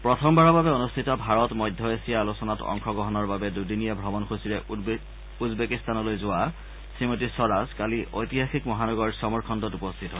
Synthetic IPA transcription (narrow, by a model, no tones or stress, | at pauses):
pɹɔtʰɔmbaɹɔbabɛonustʰitɔbʱaɹɔtmɔjdʱjɔesijaːlusɔnatɔ̰ŋkɔɡɔɦɔnɔɹbabɛdudinijabʱɹɔbɔnxosiɹɛ | uzbekistanɔlojzʊwa | sɹimotisɔɹazkaliʔojtiɦaxikmɔɦanɔɡɔɹsɔmɔɹkʰɔndɔtupɔstʰitɦɔ